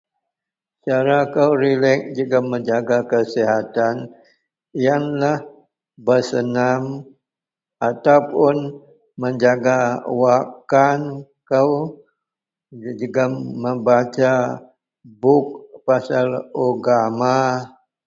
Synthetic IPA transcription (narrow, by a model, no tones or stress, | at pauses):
t͡ʃaɾakəwɾilɛk̚d͡ʒuɡaməɲd͡ʒaɡakəsiɦat̪an | janlah | bəsənam | at̪awpʊn | məɲd͡ʒaɡawakan | kəw | d͡ʒuɡaməmbat͡ʃa | bʊk̚pasaloɡama